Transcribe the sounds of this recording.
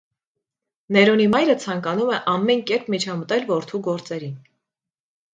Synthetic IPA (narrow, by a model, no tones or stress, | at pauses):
nɛɾɔnimɑjɾət͡sʰɑŋkɑnumɛʔɑmːɛnkɛɾpmit͡ʃʰɑmət̪ɛlvɔɾt̪ʰuɡɔɾt͡sɛɾin